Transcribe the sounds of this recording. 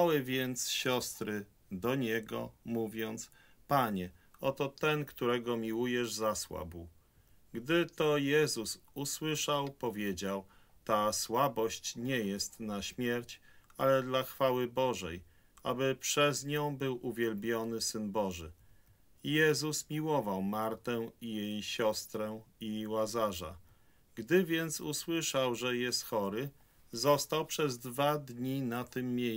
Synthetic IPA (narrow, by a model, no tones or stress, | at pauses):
awɘvʲjɛnt̪sɕɔst̪ɾɘ | d̪ɔɲɛɡɔ̰muvʲjɔnt̪s | paɲɛɔt̪ɔt̪ɛnkt̪uɾɛɡɔmʲiwujɛʐzaswa̰bu | ɡd̪ɘt̪ɔjɛzususwɘʂawpɔvʲjed͡ʑaw | t̪aswabɔɕt͡ɕɲɛjɛst̪naɕmʲjɛɾt͡ɕalɛd̪laxfawɘbɔʐɛ̰j | ʔa̰bɘpʂɛzɲɔ̃w̃bɘwʔuvʲjɛlbʲjɔnɘsɘnbɔʐɘ̰ | jɛzusmʲiwɔvawmaɾt̪ɛijejɕɔst̪ɾɛiwazaʐa̰ | ɡd̪ɘvʲjɛnt̪suswɘʂawʐɛjɛst̪xɔɾɘ | zɔst̪awpʂɛzd̪vad̪ɲinat̪ɘmːʲjej